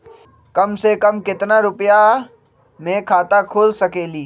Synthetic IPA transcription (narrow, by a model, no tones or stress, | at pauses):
kɐmsekɐmkɪt̪naɾʊpja | mẽkʰaːt̪akʰoːlsɐkeːliː